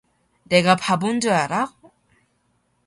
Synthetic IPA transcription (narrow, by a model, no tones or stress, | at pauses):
neɡapabund͡ʑojaɾa